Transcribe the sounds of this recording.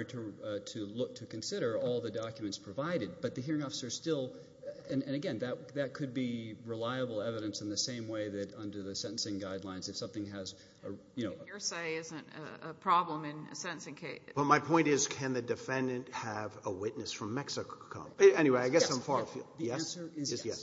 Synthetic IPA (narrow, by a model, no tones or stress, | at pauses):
ɾɨtʰɨlʊk̚tʰɨkɨ̃nsɪɾə˞ɔlˠðɨdɑkjmɨ̃ntspʰɹ̥ɨvaɪɾɨd̚b̥ʌt̪̚ðɨɦiɹɪ̃ŋɔfə̥sə̥˞stɪlˠ | ɨ̃nɨ̃nɨɡɛ̃nðɨt̚ðɨt̚kʰɨd̚biɹəlaɪəbl̩ˠɛvɨɾɨ̃nsn̩ðɨsẽɪ̃mweɪðɨɾʌ̃ndə˞ðɨsɛ̃ɾn̩sɪ̃ŋɡaɪdˡlãɪ̃nzɨfsʌ̃mθɪ̃ŋɨz | əjɨñoʊseɪɪzɨ̃ntɨ̰ə̰pʰɹ̥ɑblə̃mɪ̃nɨ̰sɛ̃ñn̩sɪ̃ŋkʰeɪb̥ʌt̚maɪpʰɔ̃ɪ̃ntɪz̥kʰɨ̃nðɨdɨfɛ̃ndɨ̃nthəvəwɪtⁿnɨsfɹʌ̃mːɛksɨkkʰo̰ʊɛñiweɪaɪɡɛsãɪ̃ɱfɑɹfj̰ðijɛæ̃nsə˞ɪzjɛ